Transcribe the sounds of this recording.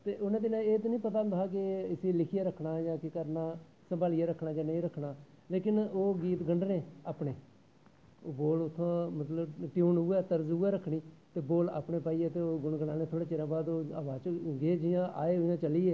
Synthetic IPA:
t̪eːʔʊnãːd̪ɪnãeːt̪oːnĩːpət̪̬aːd̪aːk̬ɪɪseːlɪkʰɪjaːɾəkʰɳaːjãːkɪkəɾnaː | səmbaːlɪjaːɾəkʰnaːd͡ʒãːnəĩːɾəkʰɳaː | leːkɪnoːɡiːt̪ɡəɳɖneːaːpɳeː | oːboːlʊt̪ʰːõːmət̪ləbʈjuːnʊːɛːt̪əɾzuːɛːɾəkʰɳiːt̪eːboːla̰ːpɳeːpaːiːɛːt̪eːoːɡʊɳɡəɳaːneːt̪ʰoːɽaːt͡ʃɪɾãːbaːd̪oːaːʋaːt͡ʃɡeːd͡ʒɪjãːʔa̰ːeːɦʊjãːt͡ʃəliːeː

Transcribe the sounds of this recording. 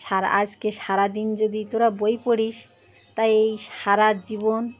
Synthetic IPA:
ʃaɾa̰d͡ʑkeʃaɾad̪ind͡ʑod̪it̪oɾabojpoɽiʃ | t̪ajejʃaɾad͡ʑibon

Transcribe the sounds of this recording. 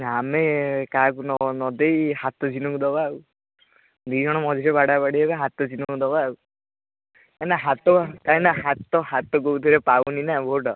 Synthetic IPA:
amekakunɔnɔd̪ejhat̪ɔd͡ʒinɔkud̪ɔbau | d̪ujd͡ʒʱɔɽ̃ɔmɔd̪ʱiɾebaɽapaɽiebaɦat̪ɔd͡ʒinɔkud̪ɔbau | kanaɦat̪ɔkaĩnaɦat̪ɔɦat̪ɔɡout̪ʰiɾepawninabʱoɖɔ

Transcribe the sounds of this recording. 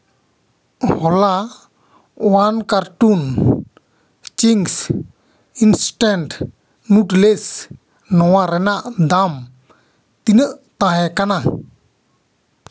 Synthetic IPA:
hɔla | wankaɾʈun | t͡ʃiŋs | insʈaɳʈ | nuʈles | nɔwaɾɛnaʔd̪am | t̪inəʔt̪aɦɛkana

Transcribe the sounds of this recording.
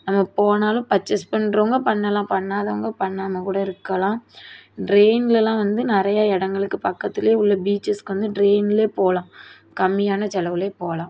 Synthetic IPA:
nɐmːɐpoːnaːlʊ̃pɐt͡ʃːɐspɐɳɾɐʋɐŋɡɐpɐɳːɐlãːpɐɳːaːðɐʋɐŋɡɐpɐɳːaːmɐkuːɽɐɪɾɯkːɐlãːɖɾeːnɪlɛlːãːʋɐnd̪ɯnɪɾɐjaɪɽɐŋɡɐɭɯkːɯpɐkːɐt̪ːɪljeːʊɭːɐbiːt͡ʃːɐskɯʋɐnd̪ɯɖɾeːnɪleːpoːlãː | kɐmːɪjaːnɐt͡ʃɛlɐʋɯleːpoːlãː

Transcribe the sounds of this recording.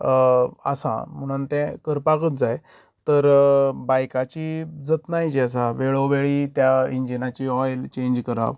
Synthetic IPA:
ə̰sã̰m̤əɽ̃unt̪ɛ̃kəɾpakət̪d͡zaj | t̪əɾbajkat͡ɕiːd͡zət̪naɦjd͡ʑiəs̬aʋeɭoʋeɭiːt̪jaiɲd͡ʑinat͡ɕiɔjlt͡ɕẽd͡ʑkəɾa̰ʋ

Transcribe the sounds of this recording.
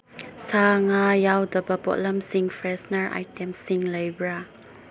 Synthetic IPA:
saŋajawdəbəbɔ̰ʔləmsĩŋfɹɛsnəɹʔa̰jtɛ̃msĩŋlajbɹa

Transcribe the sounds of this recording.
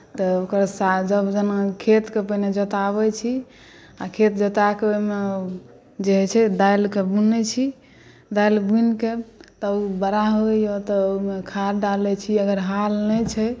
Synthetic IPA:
t̪ɔokəɾsad͡ʒəbd͡ʒənakʰet̪kepəɦined͡ʒət̪aβɛt͡ʃʰi | akʰet̪d͡ʒət̪akeoime | d͡ʒeɦɛt͡ʃʰɛd̪ailkebunɛt͡ʃʰi | d̪ajlbunket̪ɔubəɾaɦojɔt̪ɔmekʰaɾɖalɛt͡ʃʰiəɡəɾɦalnɛt͡ʃʰɛ

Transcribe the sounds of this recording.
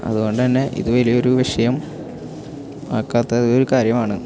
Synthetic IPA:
ɐ̰ðuɣo̞ɳɖɨt̪ɐnːe̞ʔḭðuʋɐlijo̞ɾuʋiʂɐjɐm | a̰ːkːaːt̪ːɐoɾukaːɾjɐmaːɳɨ

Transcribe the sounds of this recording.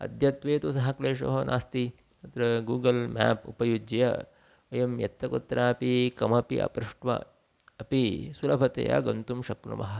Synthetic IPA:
ɐ̰d̪jɐt̪ʋeːt̪usɐɦɐkleːʃo̰ɦɐnʔa̰ːst̪i | t̪ɐt̪ɾɐɡuːɡɐlma̰ːpupɐjud͡ʒɐjɐ̰ | ɐjɐmjɐ̰t̪ːɐkut̪ːɾʔaːɐpikɐmɐpiʔɐ̰pɾɪʂʈʋɐ̰ | ɐpisulɐbʱɐt̪ḛja̰ɡɐnt̪umʃɐknṵmɐɦɐ

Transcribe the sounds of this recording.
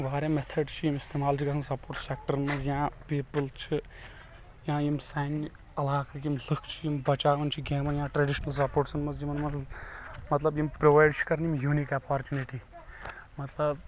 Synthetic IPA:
ʋaːɾʲemet̪ʰɐɖt͡ʃʰijimist̪eːmaːlt͡ʃʰikɐsɐnsɐpoːɾʈsek̚ʈɐɾmɐnzjãːpiːpɨlt͡ʃʰi | jãːjimsajn | ɐlaːkakjimlɨkʰt͡ʃʰijimbɐt͡ʃaːʋɐnt͡ʃʰiɡʲẽːmɐnjãːʈɾeɖiʃnɐls̬ɐpoːʈsɐnmɐzjimɐnmɐ | mɐt̪lɐbjimpɾoːʋaːɪɖt͡ʃʰi̥kɐɾnjimjuːnikɐpaːɾt͡ʃuːniʈi | mɐt̪lɐb

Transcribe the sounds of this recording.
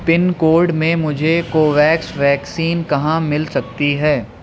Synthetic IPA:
pɪnkoːɾɖmẽmʊd͡ʒʱekoːʋɛːksʋɛːksiːnkɐɦãmɪlsɐk̚t̪iɦɛː

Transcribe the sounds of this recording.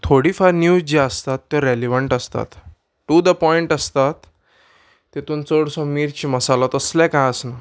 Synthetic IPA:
t̪ʰoɽiːfaɾnjuːd͡zd͡ʑiəst̪at̪ːjɔɾeliʋəɳʈəst̪a̰t̪ | ʈud̪əpɔiɳʈəst̪at̪ː | et̪uːnt͡soɽsɔ̃miɾt͡ɕiːməsalɔt̪əslɛ̃kãjəsna

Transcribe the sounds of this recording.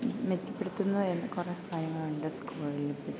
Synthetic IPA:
met͡ɕːɐ̥pːeɽut̪ːunːɐenːɨkureːkaːɾjɐŋːɐɭuɳɖɨskuːɭilpːi

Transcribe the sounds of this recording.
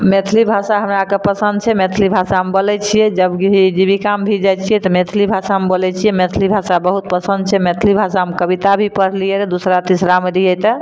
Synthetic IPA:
met̪ʰlibʱasaɦəmɾakepəsənd̪̚t͡ʃʰɛmet̪ʰlibʱasaɦmebolɛt͡ʃʰijɛd͡ʒəbkiid͡ʒibikambʱid͡ʒajt͡ʃʰijɛt̪ɔmet̪ʰlibʱasamebolɛt͡ʃʰijɛmet̪ʰlibʱasabəɦut̪̚pəsə̃nd̪̚t͡ʃʰɛmet̪ʰlibʱasaɦəmekəbit̪abʱipəɽ̤liɛɾed̪usɾat̪isɾameɾiɛt̪ə

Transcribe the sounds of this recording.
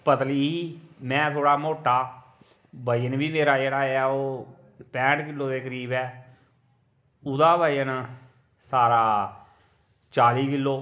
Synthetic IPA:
pət̪liːɦiːmɛ̃ːt̪ʰoːɽaːmoːʈaː | baːijənbiːmeːɾaːd͡ʒeːɽaːeaːoː | pɛ̃ːʈkɪlːoːd̪eːkəɾiːbɛː | ʊd̪aːbaːijən | saːɾaː | t͡ʃaːliːkɪlːoː

